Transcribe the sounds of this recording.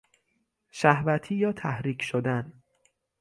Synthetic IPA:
ʃæhvæt̪ʰiːjɒːt̪ʰæhɾiːcʰʃod̪æn

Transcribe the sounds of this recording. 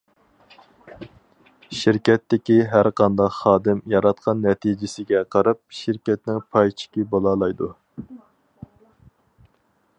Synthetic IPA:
ʃɪɾkʲɛt̪ːɪkʲiɦæɾqʰɑnd̪ɑqχɑːd̪ɪmjɑɾɑt̪qʰɑnːɛt̪ʰid͡ʒɪsɪɡʲɛqʰɑɾɑp̚ʃɪɾkʲɛt̪nɪŋpʰɑjt͡ʃʰɪ̥kʲibolˠɑːlˠɑjd̪u

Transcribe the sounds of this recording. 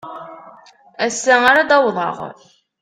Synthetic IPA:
æsːæaɾad̪ɑwðˤɑ̰ʁ

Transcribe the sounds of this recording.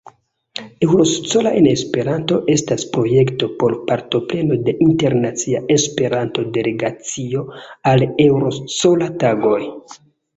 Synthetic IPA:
e̞wɾo̞st͡so̞laʔene̞spe̞ɾanto̞ʔe̞staspɾo̞je̞kto̞po̞ɾpaɾto̞ple̞no̞de̞ʔinte̞ɾnat͡siaʔe̞spe̞ɾanto̞de̞le̞ɡat͡sio̞ale̞wɾo̞st͡so̞lataɡo̞j

